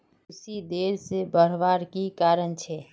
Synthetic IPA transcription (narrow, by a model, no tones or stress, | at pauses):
ʊsid̪eɾsebəɽ̤ʋaɾkikaɾənt͡ʃʰɛ